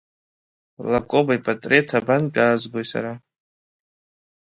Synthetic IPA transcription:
lakʷʼobaipʼatʼretʰabankʲʼaːzɡʷojsa̰ɾa

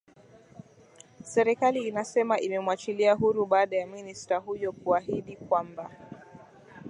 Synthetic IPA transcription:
sɛɾikaliːnasɛmaʔimɛmwat͡ʃiliaɦuɾuɓaːɗajaministaɦujɔkuaɦiɗikwamba

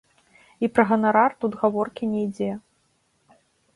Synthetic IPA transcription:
ipɾɐɣɐnaɾart̪ud̪ɣavɔrkʲinʲɛjd͡zʲɛ

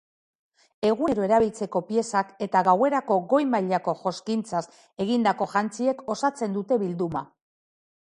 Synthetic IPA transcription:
e̞ɣ̞ue̞ɾo̞e̞ɾaβilt͡se̞ko̞pie̞sake̞t̪aɣawe̞ɾako̞ɣo̞jmaʎako̞ʝo̞skint͡sas | e̞ɣind̪ako̞ʝant͡sie̞ko̞sat͡se̞nd̪ut̪e̞βild̪uma̰

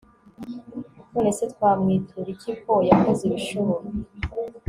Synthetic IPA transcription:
tune̞setkwaːmŋiːtʰuɾicipojakoziβiʃuβoɾi

